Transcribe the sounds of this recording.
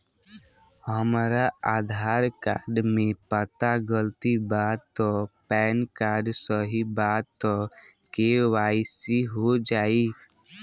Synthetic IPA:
həmaɾaaːd̪ʱaːɾkaːɾɖmẽpət̪aɡəlt̪ibaːd̪̚t̪ɔpɛːnkaːɾɖsəɦibaːd̪̚t̪ɔkeʋaːisiɦod͡ʒaːi

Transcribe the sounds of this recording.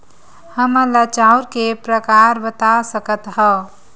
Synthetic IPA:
həməlat͡ʃauɾkepɾəkaɾbət̪asəkət̪ɦə

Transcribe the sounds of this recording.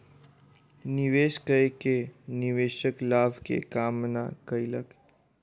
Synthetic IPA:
nɪʋeːʃkəekenɪʋeːʃəklaːbʱkḛkaːmna̰kəilək

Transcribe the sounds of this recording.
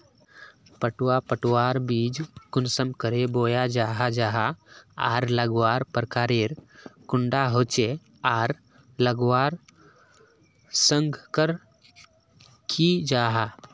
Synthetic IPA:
pəʈwapəʈwaːɾbiːd͡ʒkʊnsəmkəɾeboːjad͡ʒaːɦad͡ʒaːɦaa̰ːɾləɡwaːɾpəɾkaːɾeːɾkʊɳɖaɦoːt͡ʃe | aːɾ | ləɡwaːɾ | sə̃ŋɡʱkəɾ | kʰid͡ʒaːɦa

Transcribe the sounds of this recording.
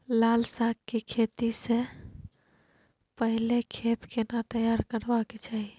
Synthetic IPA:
lalsakkekʰet̪ise | pəɦilekʰet̪kenat̪əjaɾkəɾbaket͡ʃaɦi

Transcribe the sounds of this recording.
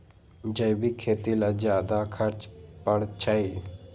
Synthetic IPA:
d͡ʒəjbikʰːeːt̪ilazjaːd̪akʰəɾt͡ʃpəɽt͡ʃʰai

